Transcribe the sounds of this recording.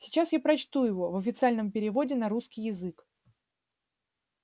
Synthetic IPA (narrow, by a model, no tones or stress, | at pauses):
sʲɪt͡ɕasjapɾɐt͡ɕt̪ujɪvo̞vəfʲɪt̪sɨalʲnəmpʲɪɾʲɪvo̞dʲɪnɐɾuskʲɪjɪzɨk